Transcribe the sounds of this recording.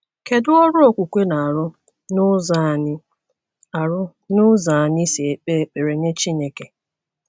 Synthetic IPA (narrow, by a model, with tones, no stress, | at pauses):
ke˨dʊ˦ɔ˦ɾʊ˦o˦˨kʷu˨kʷe˦na˨a˨ɾʊ˦ | nʊ˦za˦˨nɪ˦ | a˨ɾʊ˦ | nʊ˦za˨a˨ni˦si˨e˨k͡pe˦e˨k͡pe˨ɾe˨ne˦t͡ʃi˦ne˨ke˨